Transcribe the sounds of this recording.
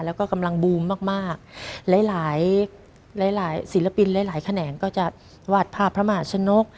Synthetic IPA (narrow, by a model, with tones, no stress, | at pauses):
lɛ˦˥wkɔː˥˩ka˧mla˧ŋbuː˧mːaː˥˩k̚maː˥˩k̚lɛː˩˥jlaː˩˦j | laː˩˦jlaː˩˦jsi˩˦la˧pi˧nlaː˨˦jlaː˩˦jkʰa˧nɛː˩˦nkɔː˥˩t͡ɕa˨˩ | waː˥˩t̪̚pʰaː˥˩pʰɾa˦˥ma˧ɦaː˨˩t͡ɕʰa˧no˦˥k̚